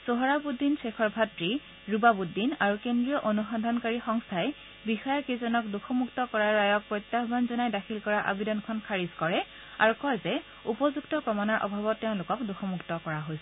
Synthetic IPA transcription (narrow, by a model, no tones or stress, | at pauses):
soɦɔɹabudːinsekʰɔɹbʱatɹi | ɹubabudːinaɹukendɹijɔʔonuxandʱankaɹixɔŋstʰajɛ | bixɔjaɹkezɔnɔkduxʰɔmuktɔkɔɹaɹːajɔk̚pɹɔjt̪jaɦbʱanzɔnajdakʰilkɔɹaʔa̰bidɔnkʰɔnkʰaɹizkɔɹɛ | a̰ɹukɔjzɛ | upɔzuktɔpɹɔmanaɹʔɔ̰bʱabɔtːeʊ̃lʊkɔkduxʰɔmuktɔkɔɹaɦojsɛ